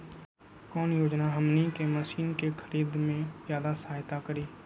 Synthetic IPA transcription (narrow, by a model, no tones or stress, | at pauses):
kɔːnjoːd͡ʒnaɦəmnikeməsiːnkexʰəɾiːd̪mẽzjaːd̪asaːjt̪akəɾiː